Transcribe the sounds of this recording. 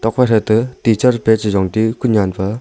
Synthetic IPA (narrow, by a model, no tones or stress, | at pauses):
t̪oχpaɕalt̪ət̪it͡ɕʰarpelt͡ɕəʑoŋt̪ikulɲanpa